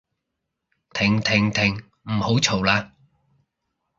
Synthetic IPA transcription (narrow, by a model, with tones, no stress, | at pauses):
t̪ʰɪ˨˩ŋt̪ʰɪ˨˩ŋt̪ʰɪ˨˩ŋ | m̩˨˩ho˨˥wt͡sʰo˨˩wlaː˧